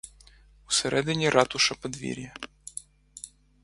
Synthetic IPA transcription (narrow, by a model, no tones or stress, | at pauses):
usɛɾʔɛd̪ɪnʲiɾʔɑt̪ʊʃɐpɐd̪ʋʲḭɾʲjɐ